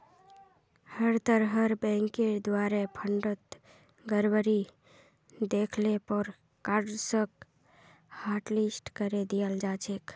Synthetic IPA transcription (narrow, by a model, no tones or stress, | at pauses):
həɾt̪əɾɦəɾbɛ̃ŋked̪waɾepʰəɳɖət̪ | ɡəɾbəɾi | d̪ekʰlepəɾ | kaɾɖsək | haɾʈlisʈkəɾed̪ijəld͡ʒat͡ʃʰek